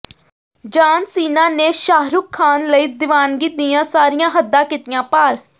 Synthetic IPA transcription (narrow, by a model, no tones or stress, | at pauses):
d͡ʒaːnsiːnãːneːʃaːɦɾʊːkʰːaːnləiːd̪ɪʋaːnɡiːt̪̚d̪ijãːsaːɾɪjãːɦəd̪ːãːkɪt̪ɪjãːpaːɾ